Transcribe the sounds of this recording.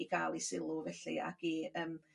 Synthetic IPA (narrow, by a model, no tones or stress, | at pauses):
iɡʰalˠisɪlˠuvɛɬḭa̰ɡ̥iəːm